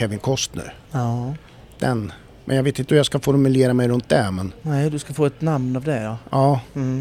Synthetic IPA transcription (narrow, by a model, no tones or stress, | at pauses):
ɛvɪnkʰɔst̪nʉ̰ː | d̪̥ɛn | mʔɛ̰njaɡveːt̪ɪnt̪əhjaskafɔɾmɵleːɾamɛjɾɵnt̪̚d̪ɛmɛnnɛd̪ɵskafoːɛt̪namnavd̪ɛjɑɑː